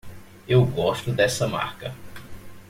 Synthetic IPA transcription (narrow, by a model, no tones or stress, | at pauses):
ewɡɔʃt̪ʊd̪ɛsɐma̰ɾkɐ